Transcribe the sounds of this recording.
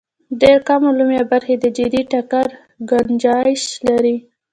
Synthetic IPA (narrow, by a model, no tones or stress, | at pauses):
ɖeɾkamolumjabaɾxed̪əd͡ʒɪd̪iʈakaɾ | ɡand͡ʒɑjʃlaɾi